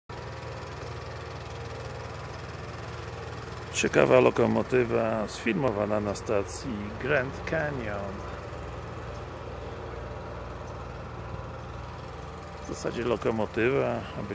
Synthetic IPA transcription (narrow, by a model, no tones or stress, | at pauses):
t͡ɕɛka̰valɔkɔmɔt̪ɘvasfʲilmɔvananast̪at̪sʲjiɡɾɛnt̪kʰɛɲɔn | vzasad͡ʑɛlɔkɔmɔt̪ɘvaabɘ